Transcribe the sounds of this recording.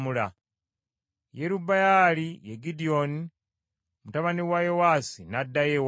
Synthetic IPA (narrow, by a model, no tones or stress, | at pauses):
mula | jeɾubajalijeɡidio̞ni | omutaβaniwajewaːsinadːajew